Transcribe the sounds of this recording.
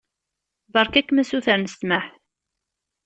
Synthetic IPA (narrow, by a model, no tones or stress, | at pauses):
bɑɾkækːmæsuθəɾnəst̪maħ